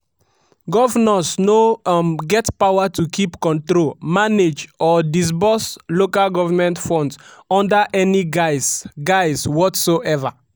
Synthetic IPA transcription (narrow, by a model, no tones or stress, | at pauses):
ɡɔvanasnoɡɛtpawatukʰipkɔ̃ntɹolmaned͡ʒɔdis̬bɔslokalɡɔvamɛ̃ntfɔ̃ndsɔ̃ndaʔɛniɡaɪsɡaɪswɔtsoʔɛva̰